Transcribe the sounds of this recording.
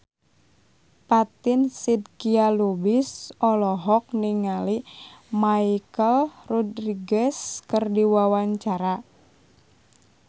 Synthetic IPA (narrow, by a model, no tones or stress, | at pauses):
pat̪ɪnsid̚kialubisɔlɔɦɔk̚niŋalimaikəlrɔdriɡɛskərdiwawaɲt͡ʃaɾa